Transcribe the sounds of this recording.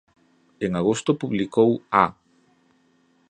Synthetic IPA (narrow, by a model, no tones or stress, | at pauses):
eŋaɣost̪ʊpuβlikowa